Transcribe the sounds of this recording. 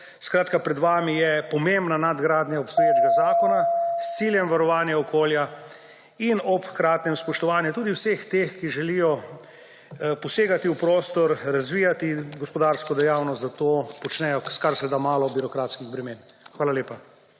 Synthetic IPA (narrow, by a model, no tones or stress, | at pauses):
skɾaːt̪kapɾɛd̪ʋaːmijɛpɔmembnanad̪ɡɾaːd̪njaɔpst̪ɔjeːd͡ʒɡazaːkɔnast̪siːljɛmʋaɾɔʋaːnjaɔkoːlja | inɔpkɾaːt̪nɛmspɔʃt̪ɔʋaːnjɛt̪uːd̪iwsext̪exkiʒɛlijɔ | pɔseːɡat̪iupɾoːst̪ɔɾɾazʋiːjat̪iɡɔspɔd̪aːɾskɔd̪ɛjawnɔst̪d̪at̪oːpɔt͡ʃnɛjɔskaɾslɛd̪amaːlɔbiɾɔkɾaːt̪skiɣbɾɛmeːnxʋaːlaleːpa